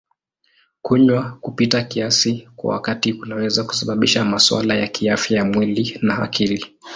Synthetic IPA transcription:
kuɲwakupitakiasikwa̰wa̰katiunawɛzaku̥saɓaɓiʃamaswa̰lajakʰiafjajamwilinaa̰kʰili

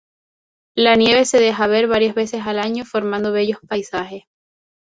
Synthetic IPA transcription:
lanje̞βe̞se̞ðe̞xaβe̞ɾβaɾjazβe̞se̞salaɲofo̞ɾmãnd̪oβe̞ʝo̞spajsaxe̞s

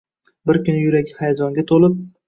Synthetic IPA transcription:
bɪɾkʲʊnɪjʊɾaɡʲɪhajad͡ʒɒŋɡʲat̪ʰolɪp̚

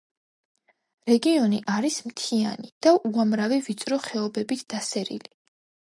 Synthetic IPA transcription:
ɾɛɡiɔniʔaɾismt̪ʰianid̪̥aʔuamɾavivit̪sʼɾɔχɛɔbɛbit̪ʰd̪̥asɛɾḭli

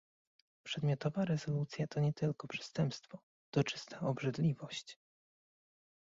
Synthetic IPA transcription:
pʂɛd̪mʲjɔt̪ɔvaɾɛzɔlut̪sʲjat̪ɔɲɛt̪ɘlkɔpʂɛ̥st̪ɛmpst̪fɔ | d̪̥ɔt͡ʂɘ̥st̪ʰaʔɔbʐɘd̪lʲivɔɕt͡ɕ

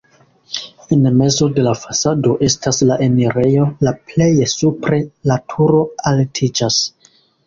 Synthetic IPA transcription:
e̞nme̞zo̞de̞lafasado̞ʔe̞staslaʔe̞neɾe̞jo̞laple̞jesupɾe̞latʰuɾo̞altʰid͡ʒas

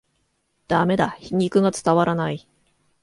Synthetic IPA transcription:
d̪̥ame̞d̪açiɲ̟ʲikɯ̟ɡat͡sɨ̥t̪aβaɾanai

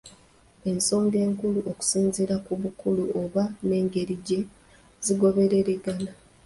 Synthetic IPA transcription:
e̞nso̞ːŋɡe̞ːŋkuluʔoku̥siːnziɾakuβukuluoβane̞ːŋɡe̞ɾiɟe̞ | ziɡo̞βe̞ɾe̞ɾe̞ɡana

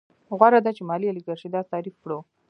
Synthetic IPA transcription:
ɣwaɾad̪at͡ʃemɑlialiɡaɾʃid̪ɑzt̪ɑɾifpɽo

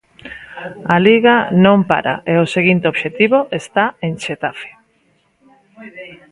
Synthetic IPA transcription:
aliɣanõmpa̰ɾa̰ʔeoseɣint̪eoβʃet̪iβoʔest̪aeŋʃet̪afe̥

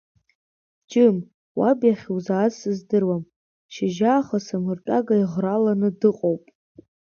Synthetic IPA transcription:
d͡ʒɨm | wabjaχʲwzaːsɨzdɨrwam | ʃɪʒaːχasamɨrt͡ʃʼaɡaiʁralanɨdɨqʼowpʼ

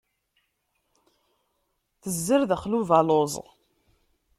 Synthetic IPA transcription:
θəzːəɾðəχluvælozˤ

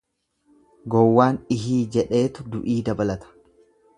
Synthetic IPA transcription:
ɡɔwːaːnɪɦiːd͡ʒɛᶑe̞ːt̪ʊd̪ʊʔiːd̪ɐbɐlɐt̪ɐ̥

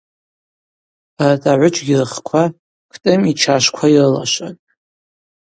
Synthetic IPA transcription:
atʼaʕʷʊt͡ʃʼɡʲirχkʷʰa | kʰtʼɨmit͡ʃʰaʃkʷʰairɨla̰ʃʷatʼ

